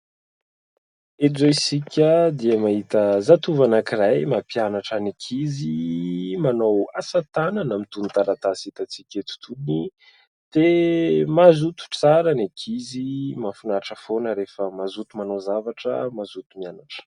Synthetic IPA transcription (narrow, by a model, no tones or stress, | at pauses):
ed͡zoisikʲəd̪iəmaɦit̪əzat̪uvanakirajmapianaʈ͡ʂənekʰizimanowasat̪ananamit̪unit̪aɾat̪asit̪at͡sikʲet̪u̥t̪ʰuni | d̪̥emazut̪u̥t͡saɾənekʰizimafunaʈ͡ʂəfonəɾefəmazut̪umanowzavaʈ͡ʂə̰mazut̪umianaʈ͡ʂə̥